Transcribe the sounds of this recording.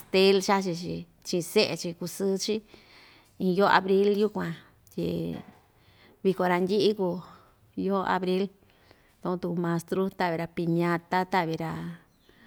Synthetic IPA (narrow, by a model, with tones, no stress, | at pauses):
a˧˨st̪e˦lʃa˦t͡ʃi˧t͡ʃḭ˧ | t͡ʃĩ˧se˦ʔe˧t͡ʃi˧ku˧sɨ˦t͡ʃi˦ | ĩ˧jo˦a̰˧βɾi˦lju˦kʷã˧ | t̪ʲḭ˧ | βi˧ko˧ɾa˧ndʲi˦ʔi˦ku˧ | jo˦a̰˧βɾi˦l | t̪o˧õ˧t̪u˧mã˧st̪ɾu˦t̪a˦˨βi˨˧ɾa˧pi˧ɲã˧t̪a˦t̪a˦βi˧ɾa˧